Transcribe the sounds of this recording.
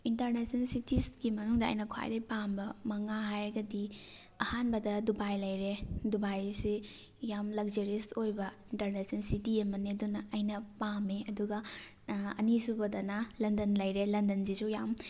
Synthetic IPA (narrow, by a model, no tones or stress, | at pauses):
intɐɾnesɐnsitisɡimɐnuŋdɐ̰ːjnɐkʰa̰jdɐjpambɐmɐŋaɦajɡɐdi | ɐhanbɐdɐdubajlɐjɾedubajsi | jamlɐk̚zɐɾisojbɐintɐɾnesɐnsitiɐmɐnedunɐɐjnɐpameɐduɡɐ | ɐnisubɐdɐnɐlɐndɐnlɐjɾelɐndɐnzizujam